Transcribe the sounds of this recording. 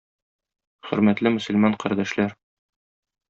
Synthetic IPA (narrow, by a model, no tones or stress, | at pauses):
χɵ̆ɾmæt̪lɘmɵ̆sɵ̆lmɑɴqæɾd̪æʃlæɾ